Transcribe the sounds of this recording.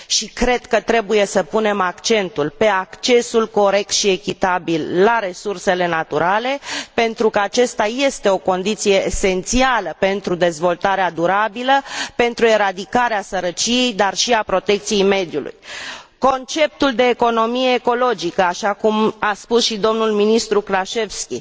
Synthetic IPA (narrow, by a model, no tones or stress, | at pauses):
ʃikɾe̞d̪kət̪ɾe̞buje̞səpune̞makt͡ʃe̞nt̪ulpe̞akt͡ʃe̞sulko̞ɾe̞k̚t̪ʃie̞kʲit̪abilːaɾe̞surse̞le̞nat̪uɾʔale̞pe̞nt̪ɾukəat͡ʃe̞st̪aje̞st̪e̞o̞ko̞nd̪it̪sije̞ːse̞nt̪sialəpe̞nt̪ɾud̪e̞zvo̞lt̪aɾead̪uɾabiləpe̞nt̪ɾue̞ɾad̪ikaɾeasəɾət͡ʃije̞jd̪arʃiapɾo̞t̪e̞kt̪sijejme̞d̪julʔṵjko̞nt͡ʃe̞p̚t̪uld̪e̞ːko̞no̞mijeːko̞lo̞d͡ʒikəaʃakumaspusʃid̪o̞mnulminist̪ɾuklaʃe̞vskʲi